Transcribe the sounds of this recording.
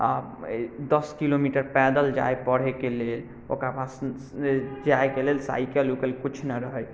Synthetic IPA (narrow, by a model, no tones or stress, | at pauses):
a̰ | d̪əskilomiʈəɾpɛd̪əld͡ʒa̰epəɽ̤ekelel | o̰kɾapas | d͡ʒaekelelsa̰jkelukelekut͡ʃʰnəɾəɦəj